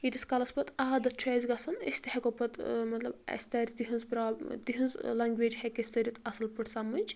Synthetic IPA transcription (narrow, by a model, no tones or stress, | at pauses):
id̪ʲiskɐlɐspɐt̪aːd̪ɐt̪̚t͡ʃʰaːzʲɡɐsɐnḭsʲt̪ihɐkopɐt̪mɐt̪lɐbɐ̰sʲt̪ɐɾʲt̪iɦɨnzpɾat̪iɦɨnzlɐŋɡʋeːd͡ʒhɐkesʲt̪ɐɾʲit̪ʰɐsɐlpɨʈsɐmɐnʲt͡ʃ